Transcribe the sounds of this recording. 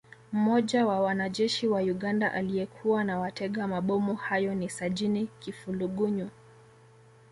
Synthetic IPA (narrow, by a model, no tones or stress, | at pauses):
m̩mɔʄawawanaʄɛʃiwajuɠandaʔaliɛkʰuwanawatɛɠamaɓɔmuhajɔnisaʄinikifuluɠuɲu